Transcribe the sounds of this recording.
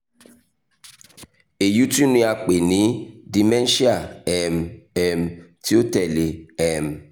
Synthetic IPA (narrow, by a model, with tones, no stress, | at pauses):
e˨ju˦tu˦nũ˧˦a˧k͡pe˨nĩ˨˦di˨mɛ̃˦n˦ʃi˦a˨ɛ˦˨mɛ˦mti˦o˦tɛ˨le˨ɛ˦˨m